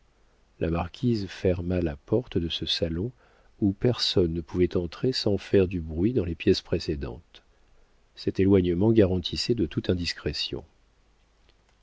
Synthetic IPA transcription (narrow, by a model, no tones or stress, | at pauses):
lʔamaʁkʲʰizfɛʁmalapɔʁt̪d̪əsəsalɔ̃ | upɛʁsɔnːəpuvɛt̪ɑ̃t̪χesɑ̃fɛʁd̪ybʁɥid̪ɑ̃lepjɛspχesed̪ɑ̰̃t̪ | sɛt̪elwaɲəmɑ̃ɡaʁɑ̃t̪ʰisɛd̪ət̪ut̪ɛ̃d̪iskχesjɔ̰̃